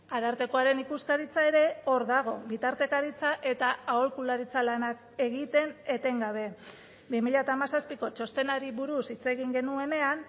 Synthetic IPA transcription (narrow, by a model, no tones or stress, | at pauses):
aðaɾt̪e̞ko̞aɾe̞nikuskaɾit͡sae̞ɾe̞o̞ɾðaɣ̞o̞βit̪aɾt̪e̞kaɾit͡saʔe̞t̪aaolkulaɾit͡salanak̚ | e̞ɣit̪e̞ne̞t̪e̞ŋɡaβ̞e̞ | bimiʎat̪aːmasaspiko̞t͡ʃo̞st̪e̞naɾiβuɾusit͡se̞ɣ̞iŋɡe̞nue̞ne̞an